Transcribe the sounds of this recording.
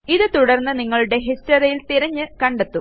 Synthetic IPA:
iðɨt̪uɽɐrnːɨniŋːɐɭuɽe̞ɦistɐɾɐjilt̪iɾɐɲːɨkɐɳɖet̪ːu

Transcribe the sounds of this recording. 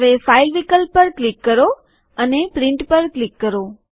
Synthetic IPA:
ʋefailʋikəlpəɾklikːəɾo | ənepɾɪ̃ɳʈpəɾklikːəɾo

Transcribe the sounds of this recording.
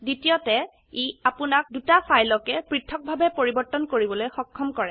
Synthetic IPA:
ditijɔtɛ | eapʊnak̚dutafajlɔkɛpɹitʰːɔk̚bʱabɛpoɹibɔɹtːɔnkoɹibɔlojxɔkʰːɔmkɔɹɛ

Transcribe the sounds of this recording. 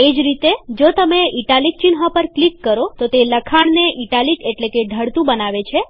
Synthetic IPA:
ed͡ʒɾit̪ed͡ʒot̪əmeiʈalik̚t͡ʃinɦapəɾklikːəɾot̪ot̪eləkʰaɳneʔiʈalikeʈlekeɖʱəɽt̪ũbənaʋet͡ʃʰe

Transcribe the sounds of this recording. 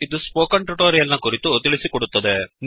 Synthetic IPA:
id̪uspoːkɐɳʈɾuʈoːɾijɐlnɐkuɾit̪ut̪iɭisikɔɽut̪ːɐd̪en

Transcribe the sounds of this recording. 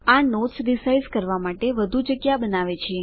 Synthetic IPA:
anoʈsɾisaizkəɾʋamaʈeʋəd̪ʱud͡ʒəɡjabənaʋet͡ʃʰe

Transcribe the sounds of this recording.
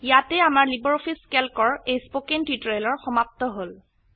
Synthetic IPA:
jatɛamaɹlibɔɹɔfʰiskelkɔɹejspokentitɹejlɔɹxɔmap̚t̪ɔɦol

